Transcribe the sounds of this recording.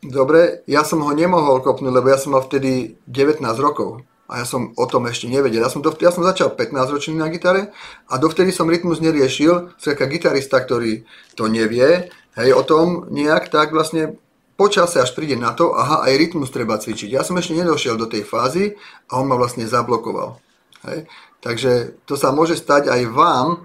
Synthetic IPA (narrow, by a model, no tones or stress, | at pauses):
d̪ɔbɾɛjasɔmɦɔɲɛmɔɦɔlkɔpnuːɟlɛbɔjasɔmːalft̪ɛd̪iɟɛʋɛt̪naːzɾɔkɔʊ | ʔa̰jaːsɔmɔt̪ɔmɛʃcɛɲɛʋɛɟɛljasɔmd̪ɔjasɔmzat͡ʃalpɛt̪naːzɾɔt͡ʃninaɡit̪aɾɛʔad̪ɔft̪ɛd̪isɔmɾit̪muzɲɛɾɪɛʃilsɛt̪kaɡit̪aɾist̪ak̚t̪ɔɾiː | t̪ɔɲɛʋɪɛ | ɦɛjɔt̪ɔmɲɛakt̪aɡʋlastɲɛ | pɔt͡ʃasɛaʃpɾiːɟɛnat̪ɔʔa̰ɦaʔa̰jɾit̪must̪ɾɛbat͡sʋit͡ʃiɟjasɔmɛʃcɛɲɛd̪ɔʃɪɛld̪ɔt̪ɛjfaːziaɔnmaʋlast̪ɲɛzablɔkɔʋa̰l | ɦɛ̰jt̪aɡʒɛt̪ɔsamʊɔʒɛst̪aɟajʋaːm